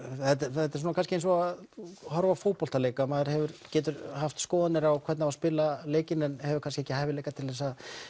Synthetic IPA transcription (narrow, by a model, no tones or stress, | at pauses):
θɛt̪ɛɛt̪ːɛ̥ɾs̬unakanscɪejnsɔahɔɾvafoːwpɔl̥t̪aleːjkamaːðɪɾ̥hɛvʏɾcɛːt̪ʏɾhaft̪skɔːðanɪɾawkʰvɛɾt̪navaspɪlːaleːjcɪnɛnhɛvʏɾkʰanskcɪɛcɪhajvɪleːjkat̪ʰɪlðɛs̬a